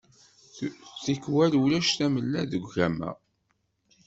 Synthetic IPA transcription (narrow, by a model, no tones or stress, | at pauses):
θikːwælwlæʃθæməlːæðəɡʷʝæmæ̰